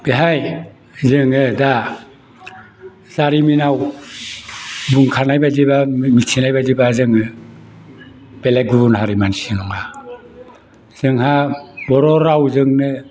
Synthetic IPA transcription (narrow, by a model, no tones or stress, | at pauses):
b̥eɦaj | zɯŋɯda | z̥aɾiminaw | buŋkʰanajbaziβamisinajbazibazɯŋɯ | b̥eleɡubunɦaɾimansinɔŋa | z̥ɯŋhabɔɾɔɾawzɯŋnɯ